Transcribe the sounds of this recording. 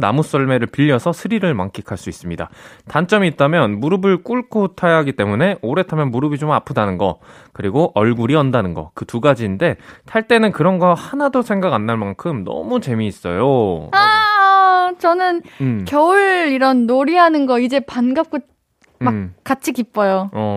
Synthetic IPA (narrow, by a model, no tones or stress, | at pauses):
na̰mus͈ʌɭme̞ɾɯɭpiʎːʌsʰʌsʰɯɾiɾɯɭmaŋk͈ʰikʰaɭs͈uis͈ɯmɲida̰tant͡ɕ͈ʌmiːt͈amjʌnmuɾɯbɯɭk͈uɭkʰotʰajaɦaɡit͈e̞mune̞ʔoɾe̞tʰamjʌnmuɾɯbit͡ɕomapʰɯdanɯnɡʌ̰kɯɾiɡoʔʌɭɡuɾiʌndanɯnɡʌ̰kɯtuɡad͡ʑiːnde̞tʰaɭt͈e̞nɯnkɯɾʌnɡʌhanadosʰe̞ŋɡaɡanːaɭmankʰɯmnʌ̰mut͡ɕe̞miːs͈ʌ̰joa | t͡ɕʌnɯnkjʌuɭiɾʌnːoɾiɦanɯnɡʌid͡ʑe̞panɡap̚k͈o | mak͈at͡ɕʰikip͈ʌjoʌ